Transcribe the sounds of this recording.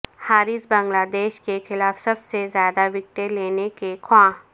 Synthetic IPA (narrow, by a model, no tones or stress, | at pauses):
haːɾɪsbɐ̃ŋɡlaːd̪eːʃkexɪlaːfsɐbsezjaːd̪aʋɪk̚ʈeleːnekekʰwãː